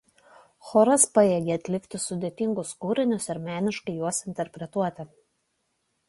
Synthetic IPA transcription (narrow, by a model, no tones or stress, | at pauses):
xɔːɾɐspɐjeːɡʲeɐt̪ʲlʲɪkt̪ʲɪsʊd̪ʲeːt̪ʲɪŋɡʊskuːɾʲɪnʲʊsɪɾmʲæːnʲɪʃkɐɪjuɔsɪnʲt̪ʲɛɾʲpʲɾʲɛt̪uɔt̪ʲɪ